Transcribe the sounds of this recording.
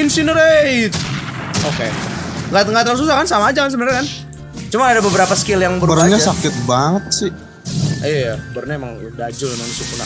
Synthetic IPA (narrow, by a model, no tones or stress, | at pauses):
insinəɾet̪ | okeŋɡat̪ŋɡat̪ɾas̬us̬akansamaːd͡ʒakans̬əbənarɲakan | t͡ʃumanadabəbəɾapasə̥kɪljaŋbəɾuərɲasakɪt̪̚baŋət̪̚sɪh | ijabərɲaemaŋdad͡ʒʊlmanusikuna